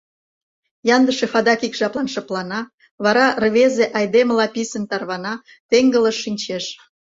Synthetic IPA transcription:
jɑnd̪əʃefɑd̪ɑkikʒɑplˠɑnʃɤplɑnɑ | βɑɾɑrβezeʔɑjd̪eməlɑpisənt̪ɑrβɑnɑ | t̪eŋɡələʃːinʲt͡ɕeʃ

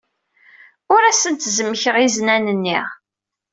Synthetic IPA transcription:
ʊɾæsənt̪zəmːəçəʁiznænənːiʁ

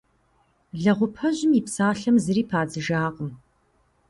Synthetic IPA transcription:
ɮɐʁʷʊpʰɐʑɪmiːpsaːɬɐmzɨɾiːpʰaːd͡zɨʒaːqʼəm

